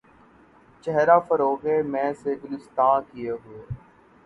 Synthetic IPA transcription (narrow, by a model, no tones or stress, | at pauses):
t͡ʃɛɦɾaːfəɾoːɡemɛ̃ːseɡʊlɪst̪ãːkieɦʊeː